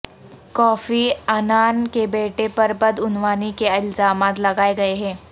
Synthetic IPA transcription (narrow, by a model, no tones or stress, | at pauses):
kɔːfiːɐnaːnkebeːʈepɐɾbɐd̪ʊnʋaːnikeɪlzaːmaːt̪lɐɡaːeɡɐeɦɛ̃ː